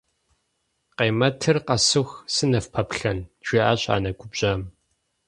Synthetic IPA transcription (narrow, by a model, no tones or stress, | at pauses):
qeːmɐtʰɨrqɐsɨxsɨnɐfpʰɐpɬɐnʒʷiːʔa̰ːɕʼa̰ːnɐɡʷʼʊbɕʼaːm